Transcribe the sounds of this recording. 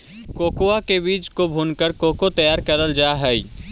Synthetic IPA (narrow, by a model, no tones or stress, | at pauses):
koːkoakebiːt͡ʃkobʱuːnkəɾkoːkot̪ɐjaːɾkɐɾəld͡ʒaːɦɛi